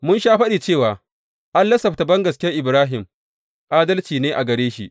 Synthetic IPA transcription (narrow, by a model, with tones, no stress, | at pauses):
mʊ˦nʃaː˦ɸɐ˦ɗiː˨t͡ʃeː˦˨waː˨ | ʔa˦nlɐ˦sɐ˨ɸta˨bɐ˦ŋɡɐ˨skʲe˦ʔɪ˨bɾaː˦ɦɪ˨m | ʔaː˦dɐ˦lt͡ʃiː˨neː˦ʔa˨ɡɐ˨ɾeː˦ʃḭ˦ʔ